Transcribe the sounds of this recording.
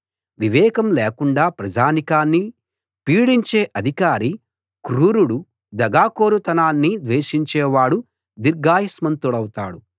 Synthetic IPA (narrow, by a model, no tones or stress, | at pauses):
ʋiʋɛːkɐmleːkuɳɖaːpɾɐd͡ʒaːnikaːnːi | piːɽiɲt͡ʃeːʔɐd̪ʱikaːɾi | kɾuːɾuɽu | d̪ɐɡaːkoːɾut̪ɐnaːnːid̪ʋeːʃiɲt͡ʃɛːʋaːɽu | d̪iɾɡaːjɐsmɐnt̪uɽɐwut̪aːɽu